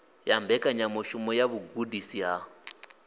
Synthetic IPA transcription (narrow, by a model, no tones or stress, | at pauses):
jambɛkʼaɲamɔʃumɔjaβuɡudisiɦa